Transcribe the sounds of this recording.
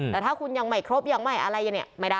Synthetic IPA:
ɛː˨˩t̪ʰaː˥˩kʰu˧nja˧ŋma˨˩jkʰɾo˦˥p̚jaː˧˩ŋma˧˩jʔa˧ɾa˧ja˧˩ni˧˩ma˥˩jdaː˥˩

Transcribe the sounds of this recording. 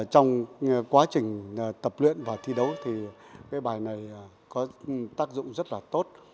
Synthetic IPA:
t͡ɕɔ˧wŋ͡mkwaː˨˦t͡ɕï˨˩ŋ̟˨˩t̪ə˨˩p̚lwḭ˧˨ənvaː˨˩t̪ʰi˧ɗə˨˦wt̪ʰi˨˩ | kaː˨˦jɓaː˨˩jna˨˩j | kɔ˨˦t̪aː˦˥k̚zʊ̰˧˨ŋ͡mzə˦˥t̚laː˨˩t̪o˦˥t̚

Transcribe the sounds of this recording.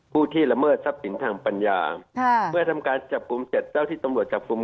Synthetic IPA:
pʰuː˥˩t̪ʰiː˥˩la˧mɤː˥˩t̪̚sa˦˥p̚si˨˩˦nt̪ʰaː˧ŋpa˧nja̰ː˧˩mɯ˥˩ɐt̪ʰa˧mkaː˧nt͡ɕa˨˩p̚ku˧mse˨˩t̪̚t͡ɕa˥˩wt̪ʰiː˥˩t̪a˧mɾu˨˩ət̪t͡ɕa˨˩p̚ku˧˦

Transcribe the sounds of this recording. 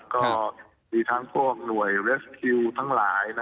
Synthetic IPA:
kɔː˧˥˩ | miː˧t̪ʰaː˦˥ŋpʰu˥˩ək̚nu˨˩əjɾe˦˥skʰi˧wt̪ʰaː˦˥ŋlaː˩˦jna˦

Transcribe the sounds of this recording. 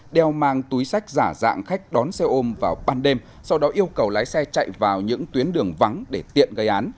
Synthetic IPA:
ɗɛ˧˩wmaː˧ŋt̪u˨˦jsa˦˥jk̟̚zaː˧˩za̰ː˧˨ŋxa˦˥jk̟̚ɗɔ˨˦nsɛ˧ʔo˧mvaː˨˩wɓaː˧nɗe˧m | sa˧wɗɔ˨˦ʔi˧əwkə˨˩wlaː˨˦jsɛ˧t͡ɕa̰˧˨jvaː˨˩wɲɨ̰˧˥ŋt̪wi˨˦ənɗɨ˨˩əŋva˨˦ŋɗe˧˩t̪ḭ˧˨ənɣə˧˩jʔaː˨˦n

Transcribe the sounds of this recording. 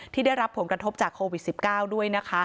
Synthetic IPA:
t̪ʰiː˥˩da˥˩jɾa˦˥pʰːo˩˦nkɾa˧t̪ʰo˦˥p̚t͡ɕaː˨˩kʰːoː˧wi˨˩t̪̚si˨˩p̚kaː˥˩wdu˥˩əjna˦˥kʰa˦˥

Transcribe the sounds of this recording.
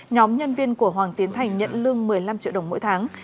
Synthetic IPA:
ɲɔ˨˦mɲə˧nvi˧ənku˧˩əɦwaː˨˩ŋt̪i˨˦ənt̪ʰa˨˩jŋ̟ɲə̰˧˨nlɨ˧əŋmɨ˨˩əjla˧mt͡ɕḭ˧˨ɗə˨˩wŋ͡mmo̰˧˥jt̪ʰaː˨˦ŋ

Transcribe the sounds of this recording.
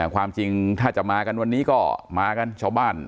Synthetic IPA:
kʰwaː˧mt͡ɕi˧ŋt̪ʰaː˥˩t͡ɕa˨˩maː˧ka˧nwa˧nːiː˦˥kɔː˥˩maː˧ka˧nt͡ɕʰaː˥˧˩wbaː˥˩n

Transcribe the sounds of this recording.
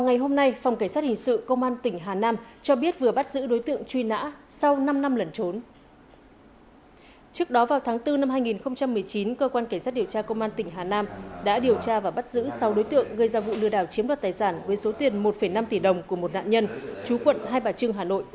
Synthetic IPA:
va˨wŋa˨˩jɦo˧mna˧jfa˨˩wŋ͡mka˧˩ŋ̟saː˦˥t̚hi˨˩ŋ̟sɨ̰˧˨kə˧wŋ͡mʔaː˧nt̪ï˧˩ŋ̟ɦaː˨˩naː˧mt͡ɕɔ˧ɓi˦˥ət̚vɨ˨˩əɓa˦˥t̚zɨ̰˧˥ɗo˨˦jt̪ɨ̰˧˨əŋt͡ɕwi˧na̰ː˧˥sa˧wna˧mna˧mlə˨˩nt͡ɕo˨˦n | t͡ɕɨ˦˥ək̚ɗɔ˨˦vaː˨˩wt̪ʰaː˨˦ŋt̪ɨ˧na˧mhaː˧jŋi˨˩nxə˧wŋ͡mt͡ɕa˧mːɨ˨˩əjt͡ɕi˨˦nkəː˧kwaː˧nka˧˩ŋsa˦˥t̚ɗi˨˩əwt͡ɕaː˧kə˧wŋ͡mʔaː˧nt̪ï˨˩ŋ̟ɦaː˨˩naː˧mɗa̰ː˧˥ɗi˨˩əwt͡ɕaː˧vaː˨˩ɓt̚zɨ̰˧˥sa˨˦wɗo˨˦jt̪ɨ̰˧˨əŋɣɨ˧jzaː˧vṵ˧˨lɨ˧əɗaː˧˩wt͡ɕi˨˦mɗwaː˨˩t̪̚aː˨˩jsaː˧˩nvəː˨˦jso˨˦t̪i˨˩ənmo˨˩t̚fə˧˩jna˧mt̪i˧˩ɗə˨˩wŋ͡mku˧˩əmo˨˩t̚na̰ː˧˨nɲə˧nt͡ɕu˨˦kwə̰˧˨nɦaː˧jɓaː˨˩t͡ɕɨ˧əŋɦaː˨˩no̰˧˨jʔ

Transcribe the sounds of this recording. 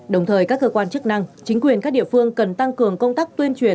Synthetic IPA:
ɗə˨˩wŋ͡mt̪ʰəː˨˩jkaː˦˥kːəː˧kwaː˧nt͡ɕɨ˦˥k̚na˧ŋt͡ɕï˨˦ŋ̟kwi˨˩ənkaː˦˥k̚ɗḭ˧˨əfɨ˧əŋkə˨˩nt̪a˧ŋkɨ˨˩əŋkə˧wŋ͡mt̪aː˦˥k̚t̪wi˧ənt͡ɕwi˨˩ə

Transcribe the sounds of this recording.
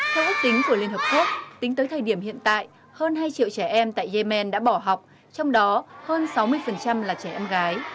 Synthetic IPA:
t̪ʰɛ˧wʔi˦˥k̚t̪ï˨˦ŋ̟ku˧˩əli˧ənɦəː˨˩p̚ku˦˥ək̚t̪ï˨˦ŋ̟t̪əː˨˦jt̪ʰəː˨˩jɗi˧˩əmhḭ˧˨ənt̪a̰ː˧˨j | həː˧nɦaː˧jt͡ɕḭ˧˨əwt͡ɕɛ˧˩ʔɛ˧mt̪a̰ː˧˨jze˧mɛ˧nɗa̰ː˧˥ɓɔ˧˩ɦa˨˩wk͡p̚ | t͡ɕɔ˧wŋ͡mɗɔ˨˦həː˧nsa˨˦wmɨ˧əjfə˨˩nt͡ɕa˧mlaː˨˩t͡ɕɛ˧˩ʔɛ˧mɣaː˨˦j

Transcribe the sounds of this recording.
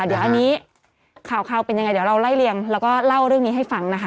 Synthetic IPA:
d̪i˨˩˦əwʔa˧nːiː˦˥ | kʰaː˨˩˦wkʰaː˧wpe˧nja˧ŋa˧jd̪wɾa˧wla˥˩jli˧əŋlɛː˦˥wkɔː˥˩la˥˩wɾɯ˥˩əŋniː˦ɦa˥˩jfa˧ŋna˦˥kʰa˦˥

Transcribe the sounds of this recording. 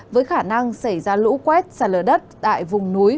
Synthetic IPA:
vəː˨˦jxaː˧˩na˧ŋsa˧˩jzaː˧lṵ˧˥kwɛ˦˥t̚saː˧˩ləː˧˩ɗə˦˥t̚ɗ̪a̰ː˧˨jvʊ˨˩ŋ͡mnu˨˦j

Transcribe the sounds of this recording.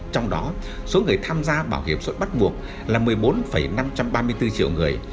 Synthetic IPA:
t͡ɕɔ˧wŋ͡mɗɔ˨˦ | so˨˦ŋɨ˨˩əjt̪ʰaː˧mzaː˧ɓaː˧˩whḭ˧˩əmsə̰˧˥jɓa˦˥t̚ɓu˨˩ək̚ | laː˨˩mɨ˨˩əjɓo˨˦nfə˧˩jna˧mt͡ɕa˧mɓaː˧mɨ˧əjt̪ɨ˧t͡ɕḭ˧˨əwŋɨ˨˩əj

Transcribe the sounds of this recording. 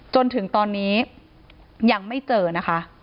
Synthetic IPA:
t͡ɕo˧nt̪ʰɯ˨˩˦ŋt̪ɔː˧nːiː˦˥ | jaː˨˩ŋma˥˩jt͡ɕɤː˧na˦˥kʰa˦˥ʔ

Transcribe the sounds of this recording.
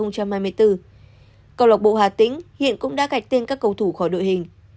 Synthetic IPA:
ə˧wŋ͡mt͡ɕa˧mhaː˧jmɨ˧əjt̪ɨ˧ | kə˧wla˨˩k̚ɓo̰˧˨hwaː˨˩t̪ï˧˥˦ŋ̟hḭ˧˨ənkʊ̰˧˥ŋ͡mɗa̰ː˧˥ka˨˩jk̟̚t̪e˧nkaː˦˥kːə˧wt̪ʰu˧˩xɔ˧˩jɗo̰˧˨jɦï˨˩ŋ̟

